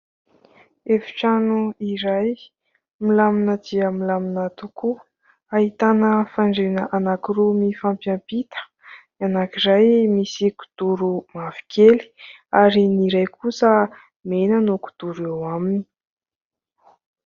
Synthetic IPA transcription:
efi̥ʈ͡ʂanuiɾaj | milaminəd̪iəmilaminat̪uku | aɦit̪anəfaɳɖ͡ʐenəʔanakiɾumifampjampit̪ə̥ | ianakiɾajmisiku̥d̪̥uɾumav̥i̥keli̥ | aɾiniɾajkʰusə | menənuku̥d̪̥uɾewamini̥

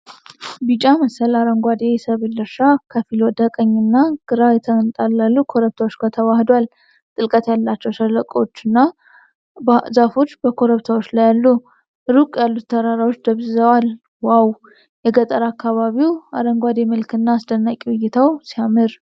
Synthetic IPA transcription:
bɨt͡ʃʼaməsəlaɾəŋɡʷad̪e̞jɛsəβɨlɨɾʃakʰəfilod̪əkʼəɲːɨnːaɡ̥ɨɾajɛt̪ʰənt̪ʼalːalːukʰo̞ɾəβt̪ʰawot͡ʃːɡat̪ʰəwahd̪wal | t̪ʼɨlkʼət̪jalːat͡ʃːɛwʃələkʼt͡ʃːɨnːa | bzafo̞t͡ʃːbəkʰo̞ɾəβt̪ʰawot͡ʃːlajalːu | ɨɾukʼjalːut̪t̪ʰːəɾaɾawo̞t͡ʃːd̪əβzəwal | waw | jɛɡət̪ʼəɾakːaβaβiwa̰ɾəŋɡʷad̪e̞mɨlkɨnːaːsd̪ənːakʼiwʊjːɪt̪ʰawsijamɨɾ

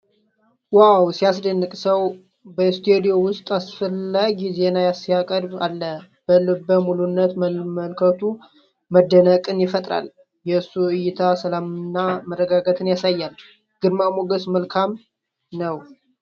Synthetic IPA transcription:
wawsijas̬d̪ənːɨkʼsəw | bəɪst̪ʰed̪io̞wʊst̪ʼasfəlːaɡze̞najasjakʼəɾbalːə | b̥əlɨbːəmulunːət̪məməlkʰət̪ʰu | məd̪ːənəkʼɨnjɪfət̪ʼɾa̰l | jɛɨsːuɨjɪt̪ʰasəlamɨnːamərːəɡaɡət̪ʰɨnjasajːal | ɡ̥ɨdmamoɡəsməlkʰam | nəw

